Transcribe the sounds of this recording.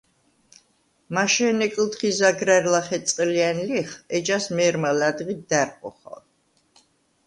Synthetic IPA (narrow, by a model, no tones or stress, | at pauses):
maʃɛnɛkʼlt̪χizaɡɾaɾlaχɛt̪sʼqʼlianliχɛd͡ʒasmɛɾmalad̪ʁit̪̚d̪aɾqʼɔ̰χɔ̰